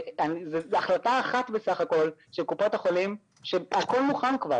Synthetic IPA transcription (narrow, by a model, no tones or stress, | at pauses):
anizezaχlataːχat̪besaχako̞lʃelkupot̪haχo̞lim | ʃeako̞lmuχankva̰